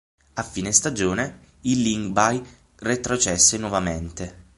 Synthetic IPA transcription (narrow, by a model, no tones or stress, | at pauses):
afːiːnest̪ad͡ʒoːne | ilːiŋɡbaj | ret̪ɾot͡ʃɛsːenwɔvament̪e